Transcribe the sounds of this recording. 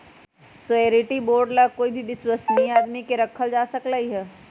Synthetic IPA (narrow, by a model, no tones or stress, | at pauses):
sʊeːɾiʈiboːɾɖlakoːibʱibɪswəsniaːd̪mikeɾɐkʰəld͡ʒaːsɐklaiɦɛː